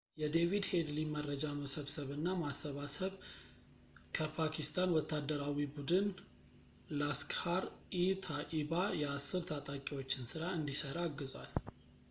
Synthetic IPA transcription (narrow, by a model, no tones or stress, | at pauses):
jɛd̪e̞vid̪he̞d̪limərəd͡ʒaməsəβsəβɨnːamasːəβasəβ | kʰəpʰakʰist̪ʰanwɔt̪ʰːad̪ːəɾawibud̪ɨn | laskhaɾit̪ʰaʔiβajɛasːɨɾt̪ʰat̪ʼakʼiwo̞t͡ʃːɪnsɨɾaɨnd̪isəɾaaːɡːɨzwal